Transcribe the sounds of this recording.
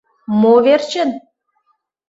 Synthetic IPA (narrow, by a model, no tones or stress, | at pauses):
moβert͡ɕə̆n